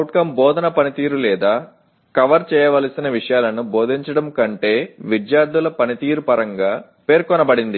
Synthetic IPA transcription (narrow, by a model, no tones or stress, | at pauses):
ɐwʈkɐmbɔːd̪ʱɐnɐpɐnit̪iːɾulɛːd̪aː | kɐʋɐɾt͡ʃɛːjɐʋɐːlɐsinɐʋiʂɐjaːlɐnuboːd̪ʱiɲt͡ʃɐɽɐmkɐɳʈe̞ːʋid̪jaːɾd̪ulɐpɐnit̪iːɾupɐɾɐŋɡaː | pe̞ːɾkɔnɐbɐɽind̪i